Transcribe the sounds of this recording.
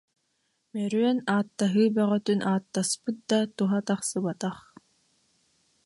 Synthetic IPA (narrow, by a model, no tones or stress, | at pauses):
mɛɾyœnaːt̪ːaɦɯːbœʁœt̪ynʔaːt̪ːaspɯt̪̚d̪at̪uɦat̪aχsɯbat̪aχ